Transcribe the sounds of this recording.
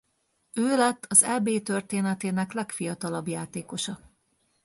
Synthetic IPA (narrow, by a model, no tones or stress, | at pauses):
øːlɛt̪ːɒzɛbeːt̪ø̞rt̪eːnɛt̪eːnɛklɛkfijɒt̪ɒlɒbjaːt̪eːko̞ʃɒ